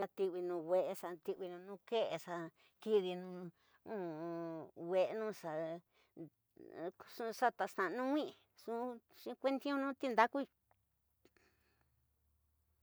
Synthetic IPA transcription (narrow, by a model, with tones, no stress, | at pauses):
a˧t̪i˧wi˧nũ˧we˧ʔe˧ʂa˧t̪i˧ʔi˧nũ˧nũ˧ke˦ʔe˧ʂa˧ | ki˧ði˧nũ˧ | ũ˦˨˧wʷe˧ʔnũ˦sa˧ | sũ˧sa˦t̪a˧sã˨˧nũ˦ŋʷĩ˦ʔ | sũ˦˧ʃĩ˧˦kʷe˦nt̪i˦õ˦nũː˦t̪i˧nd̪a˦ku˦i˧